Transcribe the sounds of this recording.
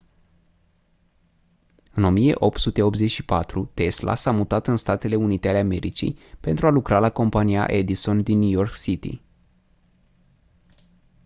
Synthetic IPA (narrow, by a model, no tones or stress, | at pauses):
ɨno̞mije̞̰ʔo̞p̚t̪sut̪e̞o̞p̪ze̞t͡ʃʲʃipat̪ɾut̪e̞sla̰samut̪at̪ɨnst̪at̪e̞le̞unit̪e̞ale̞ame̞ɾit͡ʃḭjpe̞nt̪ɾualukɾalako̞mpania̰ʔe̞d̪iso̞nd̪inːjujo̞rksit̪ḭ